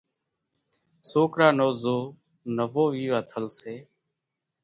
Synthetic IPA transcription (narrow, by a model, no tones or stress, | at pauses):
soːkɾaːnoːzoː | nəʋoːʋiːʋaːt̪ʰəlseː